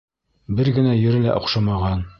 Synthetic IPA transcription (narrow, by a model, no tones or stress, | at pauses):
bɘɾɡɘ̆næjɵ̆ɾɘlæ̰ʔŏqʃɑmɑʁɑn